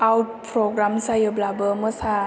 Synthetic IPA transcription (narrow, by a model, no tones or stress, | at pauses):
ʔawt̚pʰɾoɡɾamsajɯblabəmɯsa